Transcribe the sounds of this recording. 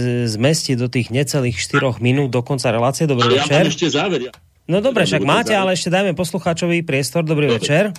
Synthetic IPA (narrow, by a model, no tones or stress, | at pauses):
zmɛscid̪ɔt̪iːɣɲɛt͡sɛliːxʃt̪iɾɔɣminuːd̪̚d̪ɔkɔnt͡saɾɛlaːt͡siɛd̪ɔbɾiːɛt͡ʃɛɾɛʃɛzaːʋɛɾ | nɔd̪ɔbɾɛʃaɡmaːcɛalɛɛʃcɛd̪aːjmɛpɔsluxaːt͡ʃɔʋipɾɪɛst̪ɔɾd̪ɔbɾiːʋɛt͡ʃɛɾ